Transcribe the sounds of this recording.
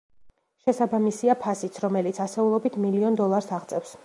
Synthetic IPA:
ʃɛsabamisiapʰasit̪sʰɾɔmɛlit̪sʰasɛulˠɔbit̪ʰmiliɔnd̪ɔlˠaɾsaʁt̪sʼɛfs

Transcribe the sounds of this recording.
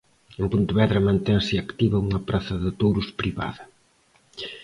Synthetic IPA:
empunt̪βɛðɾɐmãnt̪ɛnsɪakt̪iβɐuŋɐpɾaθɐðɪt̪owɾʊspɾiβa̰ðɐ

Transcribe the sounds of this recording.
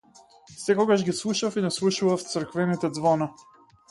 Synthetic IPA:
sɛkɔɡaʒɡislˠuʃafinaslˠuʃuvaft̪səɾkvɛnit̪ɛd̪zvɔna

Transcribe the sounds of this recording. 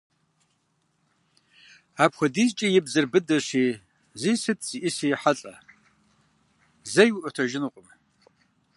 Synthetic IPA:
aːpxʷɐdiːzt͡ʃʼɐjɪbzɨrbɨdɐɕiː | zisɨtʰz̥iʔɪsijħaɬʼɐ | zɐjwʔʷɐtʰɐʒɪnuqʷʼʊm

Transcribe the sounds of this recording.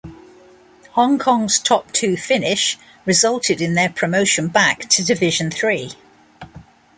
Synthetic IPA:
hɒ̃ŋkʰɒ̃ŋz̥tʰɒp̚tʰʉːfɪnɪʃ | ɹɪzʌlˠtʰɪdɪ̃nðəpʰɹ̥əməʊʃə̃nbaktʰədɪvɪʒə̃nθɹiː

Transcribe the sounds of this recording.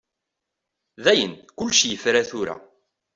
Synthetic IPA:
ðæjənkʊlːʃjəfɾæθʊɾæ̰

